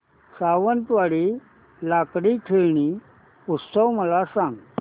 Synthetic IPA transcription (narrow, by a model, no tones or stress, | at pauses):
saʋənt̪ʋaɽiː | lakɽikʰeɭɳi | ut̪səwməlasãŋɡ